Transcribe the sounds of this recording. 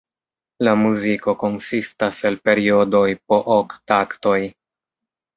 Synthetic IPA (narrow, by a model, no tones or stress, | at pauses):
lamuziko̞ko̞nsistase̞lpe̞ɾio̞do̞jpo̞ʔoktakto̞j